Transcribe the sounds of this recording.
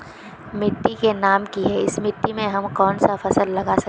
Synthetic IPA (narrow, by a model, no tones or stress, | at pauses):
mɪʈːikenaːmkiɦɛɪsmɪʈːimẽɦɐmkɔːnsafɐsəlːɐɡasɐkː